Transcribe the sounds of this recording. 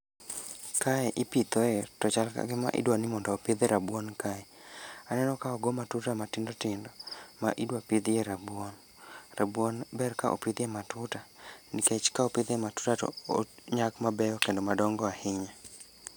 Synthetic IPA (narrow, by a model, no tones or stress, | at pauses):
kaɛʔɪpit̪oɛtɔt͡ʃalka̰ɡɪma̰ʔɪ̰dwanɪmɔndɔːpɪd̪eɾabwonkaɛanɛnɔkaɔɡomatutamatɪndɔtɪndɔma̰ʔidwapɪd̪jeɾabwɔn | rabwɔnbɛrkaʔo̰pɪd̪jematʊtaniket͡ʃkaopɪd̪ematu̥tatɔ̰oɲakmabɛjɔkendɔmadɔŋɡɔahɪɲa